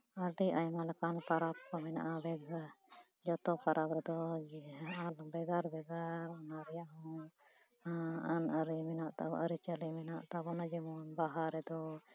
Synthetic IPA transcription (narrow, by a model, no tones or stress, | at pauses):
aɖiʔajmalɛkanpaɾap̚kɔmɛna̰ʔabɛɡa | d͡ʒɔt̪ɔpaɾʔapɾɛd̪ɔ | albɛɡaɾbɛɡaɾɔnaɾɛjaɦɔ̃ | aanaɾimɛnaʔt̪a̰bɔ̰ʔaɾit͡ʃalimɛnaʔt̪abɔnad͡ʒimɔnbaɦaɾɛd̪ɔ